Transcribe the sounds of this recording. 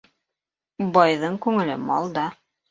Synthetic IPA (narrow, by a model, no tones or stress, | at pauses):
bɑjðɤɴkʉŋɘ̆lɘ̰mɑ̰lˠd̪ɑ